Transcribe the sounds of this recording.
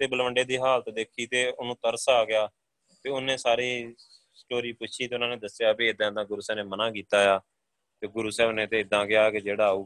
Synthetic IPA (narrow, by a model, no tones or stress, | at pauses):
t̪eːbəlʋəɳɖeːd̪iːɦaːlt̪d̪eːkʰiːt̪eːʊnũːt̪əɾsaːɡɪjaː | t̪eːʊnẽːsaːɾiː | sʈoːɾiːpʊt͡ʃʰiːt̪eːʊnãːnẽːd̪əsɪjaːbiːɪd̪ãːd̪ãːɡʊɾuːsɛːneːmənãːkiːt̪aːjaː | t̪eːɡʊɾuːsɛːnẽːt̪eːɪd̪ãːɡɪjaːked͡ʒeːɽaːuː